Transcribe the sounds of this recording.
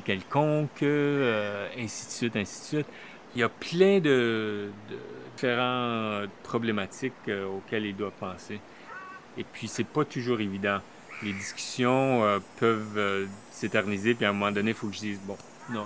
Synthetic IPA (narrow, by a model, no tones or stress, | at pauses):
kʲɛlkɔ̃køɛ̃si̥t̪sɥɪt̪ɛ̃si̥t̪sɥɪt̪ | iljaplɛ̃d̪əd̪ə̰feʁɑ̃əpχɔblemat̪ɪkøokʲɛlild̪wavpɑ̃seː | pʰɥisɛpat̪uʒuːʁevid̪ɑ̃ | led̪iskʲy̥sjɔ̃øpʰœvø | sẽt̪ɛʁnizep̬iɛ̃mɔmɑ̃d̪ɔnefokəʒəd̪iːzbɔ̃ | nɔ̃